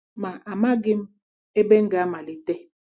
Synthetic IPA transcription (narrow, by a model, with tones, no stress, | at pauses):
ma˨ʔa˨ma˦ɡi˦m | e˦be˦ŋ̩˦ɡa˨˦ma˨li˨te˦